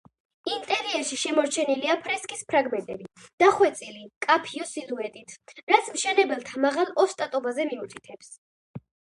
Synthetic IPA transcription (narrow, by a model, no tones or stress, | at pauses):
int̪ʼɛɾiɛɾʃiʃɛmɔɾt͡ʃʰɛniliapʰɾɛskʼispʰɾaɡmɛnt̪ʼɛbid̪̥aχwɛt̪sʼilikʼapʰiɔsiluɛt̪ʼit̪ʰɾat̪sʰmʃɛnɛbɛlˠt̪ʰamaʁalˠɔst̪ʼat̪ʼɔbazɛmiut̪ʰit̪ʰɛps